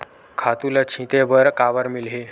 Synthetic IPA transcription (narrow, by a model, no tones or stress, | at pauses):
kʰat̪ulat͡ɕʰĩt̪ebəɾkaʋəɾmilɦe